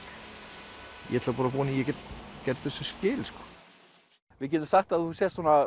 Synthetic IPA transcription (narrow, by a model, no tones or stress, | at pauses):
jɛ̰ɛt̪ʰlapaːɾap̬ɔːnijɛcɛcɛɾt̪θɛsːʏscɪːlskɔ̥ | vɪðc̬ɛt̪ʏmsaxt̪aðθusjɛst̪ɔːna